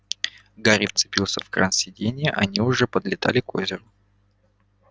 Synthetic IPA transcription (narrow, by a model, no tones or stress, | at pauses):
ɡaɾʲift̪sɨ̥pʲilˠsʲəfkrʔa̰nsʲɪdʲenʲɪjəʔɐnʲiʊʐɛpəd̪lʲɪt̪a̰lʲɪkozʲɪɾʊ